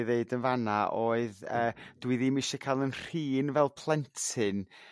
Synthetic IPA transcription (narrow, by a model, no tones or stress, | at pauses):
ðeɨdənvanaʔoːɨðəːd̥wiðimɪʃɛkʰalˠənr̥iːnvɛlˠpʰlˠɛntʰɪn